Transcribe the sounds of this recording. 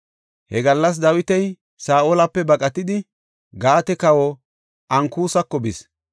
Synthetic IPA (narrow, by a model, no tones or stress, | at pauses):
hɛɡɐlːɐs̬d̪ɐwɪt̪ɛj | saːʔoːlɐpːɛbɐkʼɐt̪ɪd̪ɪ | ɡaːt̪ɛkɐwɔ | ʔɐŋkuːsɐkːɔbɪs